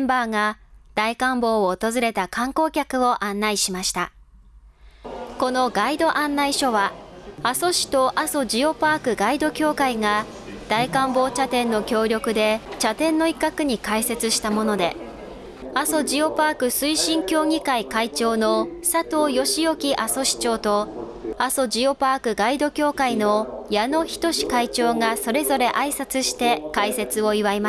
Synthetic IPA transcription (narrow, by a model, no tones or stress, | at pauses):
mbaːŋad̪̥aikãmbo̞ːoːt̪o̞zɨɾe̞t̪akãŋko̞ːkʲakɯ̟o̞ʔãnːaiɕimaɕi̥t̪a | ko̞no̞ɡaid̪o̞ʔãnːaiɕo̞βaaso̞ɕi̥t̪o̞ʔaso̞d͡ʑio̞paːkɯ̟ɡaid̪o̞kʲo̞ːkaiŋa | d̪̥aikãmbo̞ːt͡ɕat̪ẽ̞nːo̞kʲo̞ːɾʲo̞kɯ̟d̪e̞t͡ɕat̪ẽ̞nːo̞ikːakɯ̟ɲ̟ikaise̞t͡sɨɕi̥t̪amo̞no̞d̪e̞ | aso̞d͡ʑio̞paːkɯ̟sɨiɕĩŋkʲo̞ːŋʲikaikait͡ɕo̞ːno̞sat̪o̞ːjo̞ɕijo̞kʲiʔaso̞ɕi̥t͡ɕo̞ːt̪o̞ | aso̞d͡ʑio̞paːkɯ̟ɡaid̪o̞kʲo̞ːkaino̞jano̞çi̥t̪o̞ɕi̥kait͡ɕo̞ːŋaso̞ɾe̞zo̞ɾe̞ʔaisat͡sɨɕi̥t̪e̞kaise̞t͡sɨo̞iβaima